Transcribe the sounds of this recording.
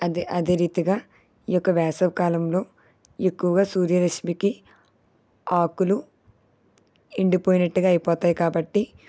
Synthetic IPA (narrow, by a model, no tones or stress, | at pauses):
ʔɐd̪e̞ːɾiːt̪iɡaː | iːjɔkːɐʋɛːsɐʋkaːlɐmlo̞ː | e̞kːuʋɐɡaːsuːɾjɐɾɐʃmiki | aːkulu | iɳɖipoːjinɐʈːuɡaːjipɔːt̪aːjikaːbɐʈːi